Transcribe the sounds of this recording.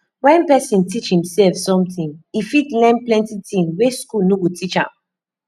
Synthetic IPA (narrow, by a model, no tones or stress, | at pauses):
wɛ̃npɛsĩntʰit͡ʃhĩmsɛlfsɔ̃mtĩŋifidlɛ̃nplɛ̃ntitĩnweskulnoɡutʰit͡ʃã̰m